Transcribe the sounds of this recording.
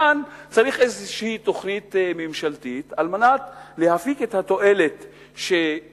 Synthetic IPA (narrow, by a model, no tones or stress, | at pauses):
ant͡saɾiχʔezʃehit̪o̞χnit̪mimʃalt̪it̪almanat̪lehafiket̪hat̪o̞ʔe̞le̞t̪ | ʃe